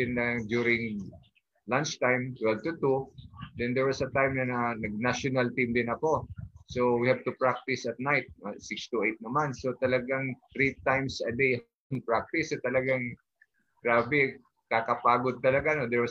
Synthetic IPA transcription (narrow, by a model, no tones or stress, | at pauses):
ɪnːɐd͡ʒ̪juɾɪ̃ŋ | lant͡ʃt̪ajmt̪wɛlvt̪ut̪ud̪ɛnd̪ɛɹwɐsɐt̪ajmnɐnɐnɐɡ̚naʃʊnɐlt̪ĩmd̪ɪnɐko̞sowihɛv̚t̪ʊpɹak̚t̪ɪsɐt̪̚najt̪̚ɐsɪkst̪uʔejt̪̚nɐmansot̪ɐlɐɡaŋt̪ɾit̪ajmsɐd̪ej | npɹak̚t̪ɪsot̪ɐlɐɡaŋ | ɡ̥ɹaːbɛ | kaːkɐpaːɡod̪̚t̪ɐlɐɡanod̪ɛɹwɐs